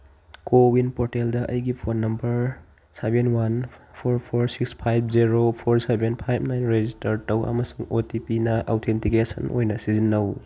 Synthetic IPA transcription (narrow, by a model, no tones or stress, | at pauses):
kowinpoɾteldɐʔɐjɡipʰonːɐmbɐɾ | sebenwanpʰoɾpʰoɾsikspʰajb̚ʰziɾopʰoɾsebenpʰajbʰʱnajnɾezistɐɾtɐwɐ̰mɐsuŋotipinɐʔa̰wtʰentikesɐ̰nʔo̰jnɐsizinːɐw